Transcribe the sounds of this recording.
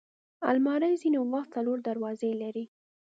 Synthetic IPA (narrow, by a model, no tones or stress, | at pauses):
a̰lmɑɾəjzinewaxt̪̚t͡saloɾd̪aɾwɑzelaɾi